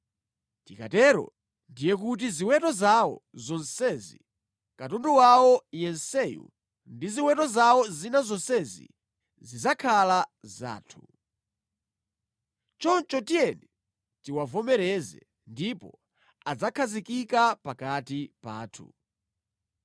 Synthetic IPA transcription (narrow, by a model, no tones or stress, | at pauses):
tika̰tɛːɾɔ̰ | ndijɛk̬ut̬iziwɛtɔzawɔ̰zɔnsɛzḭ | katɔnduwawɔjɛnsɛjṵ | ndiziwɛtɔzawɔzinazɔnsɛzḭ | zizakʰalaza̰ːtʰu | t͡ʃɔnt͡ʃɔtijɛnɛ | tiwavɔmɛɾɛzɛ̰ | ndipɔ̰ | ad͡zakʰazikikapakatipa̰ːtʰṵ